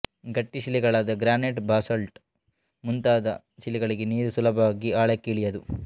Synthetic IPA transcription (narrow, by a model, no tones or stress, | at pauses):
ɡɐʈːiʃiliɡɐɭaːd̪ɐɡɾaːneʈbaːsɐlʈ | munt̪aːd̪ɐ | ʃiliɡɐɭiɡeniːɾusulɐbʱɐʋaːɡiaːɭekːiːɭijɐd̪u